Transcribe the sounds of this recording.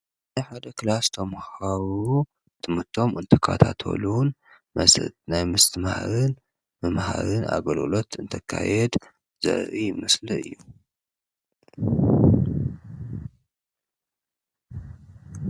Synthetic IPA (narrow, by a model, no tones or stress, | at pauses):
najħad̪ɐkʰlast̪ʰɐmhaɾu | t̪ʰɨmɨɾt̪ʰo̞mɨnt̪ʰɐkʰːa̰t̪ʰat̪ʰo̰lun | mɐ̰snajmɨst̪ʰɨmhaɾɨn | mɨmha̰ɾɨna̰ɡɐlɡɨlo̞t̪ɨnt̪ʰɐkʰːa̰jɛd̪ | z̥ɨ̰ʕɾimɨslɨɨ̰jːu